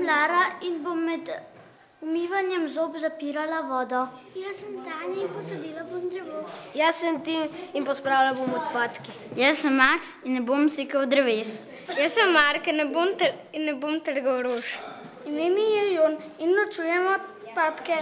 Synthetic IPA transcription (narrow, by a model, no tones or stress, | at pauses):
laːɾainbomːɛd̪ | umiːʋanjɛmzopzapiːɾalaʋɔːd̪ɔ | jasəmt̪aːnɛinpɔsɐd̪iːlabomd̪ɾɛʋojasənt̪iminpɔspɾaːwlabomɔt̪paːt̪ki | jəsəmːaksinːɛbomseːkɐwd̪ɾɛʋeːs | jəsəmːaɾkənɛbomt̪əɾ | inːɛbomt̪əɾɡɐwɾoːʃ | imemijɛjon | inːɔt͡ʃuːjɛmɔt̪ | paːt̪kɛ